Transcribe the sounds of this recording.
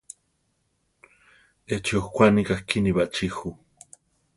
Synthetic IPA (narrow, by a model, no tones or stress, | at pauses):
et͡ʃiuxkʷanikaxkiniβaʔt͡ʃixu